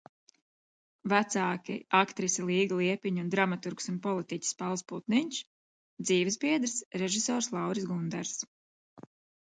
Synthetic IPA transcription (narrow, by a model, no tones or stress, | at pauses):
væt̪saːkʲḭʔakt̪ɾisilˠiːɡlˠiɛpʲiɲund̪ɾamat̪uɾksunpɔlˠit̪icʲi̥spalˠsput̪niɲʲʃ | d̪ziːvisbiɛd̪ɾsɾɛʒisɔːɾslˠɑwɾsɡund̪ɛɾs